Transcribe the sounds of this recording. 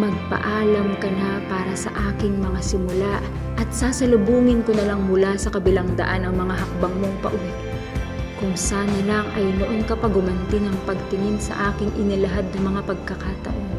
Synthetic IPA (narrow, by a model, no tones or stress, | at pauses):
mɐɡ̚pɐ̰ʔaːlɐmkɐnapaːɾɐsɐ̰ʔaːkɪŋmɐŋasɪmʊlaʔ | ʔɐt̪̚saːsɐlʊbuːŋɪnkonɐlaŋmʊlasɐkɐbɪlaŋd̪ɐ̰ʔanɐŋmɐŋaɦɐk̚bɐŋmo̞ŋpɐ̰ʔon | kʊŋsaːnɐlaŋɐjnoʔo̞nkɐpɐɡʊmɐnt̪ɪnɐŋpɐɡ̚t̪ɪŋɪnsɐ̰ʔaːkɪŋʔɪnɪlɐɦad̪̚nɐmɐŋapɐɡ̚kɐkaːt̪ɐ̰ʔo̞n